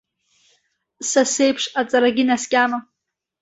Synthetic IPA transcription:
sasejpʰʂat͡sʼaɾaɡʲinaskʲʼama

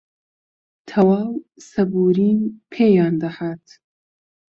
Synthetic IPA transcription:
t̪ʰɐwaːwsɐbuːɾiːnpʰeːjɑːnd̪ɐhaːt̪

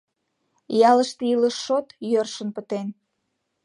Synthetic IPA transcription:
jɑləʃt̪iləʃːot̪jørʃənpət̪en

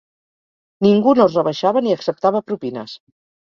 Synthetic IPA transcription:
niŋɡunozrəβəʃaβəniəksəp̚t̪aβəpɾupinə̰s

